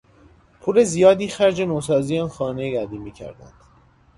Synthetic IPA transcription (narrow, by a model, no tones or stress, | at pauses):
pʰuːle̞zijɒːd̪iːxæɾd͡ʒenoːsɒːziːɒːnxɒːnejiɡæd̪iːmiːcʰæ̰ɾd̪æ̰nd̪̥